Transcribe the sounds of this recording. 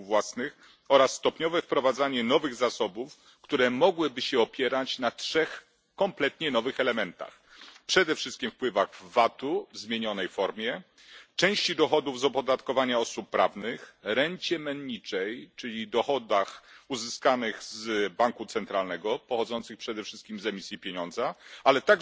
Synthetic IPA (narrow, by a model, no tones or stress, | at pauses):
vwasnɘx | ɔɾasːt̪ɔpɲɔvɛfpɾɔvad̪zaɲɛn̪ɔvɘɣzasɔbuf | kt̪uɾɛmɔɡwɘbɘɕɛɔpʲjɛɾat͡ɕnatʂɛx | kɔmplɛt̪ɲɛnɔvɘxɛlɛmɛnt̪a̰x | pʂɛd̪ɛfʂɘst̪kʲimfpwɘvaɣvːat̪uvzmʲjeɲɔnɛjfɔɾmʲjɛ | t͡ʂɛ̃w̃ɕt͡ɕid̪ɔxɔd̪uvzɔpɔd̪at̪kɔvaɲaɔsupːɾavnɘxɾɛɲt͡ɕɛmɛnɲit͡ʂɛjt͡ʂɘlʲid̪ɔxɔd̪axuzɘskanɘxzbaŋkut̪sɛnt̪ɾalnɛɡɔpɔxɔd̪zɔnt̪sɘxpʂɛd̪ɛfʂɘst̪̚kʲimzɛmʲisʲjipʲjeɲɔnd̪zaalɛt̪aɡ